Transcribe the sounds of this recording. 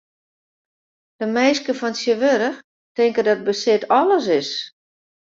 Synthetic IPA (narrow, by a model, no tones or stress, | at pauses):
d̥əmɛjskəfɔnsjəʋøɾəx | tɪŋkədɔt̚bəsɪtɔlˠəs̬ɪs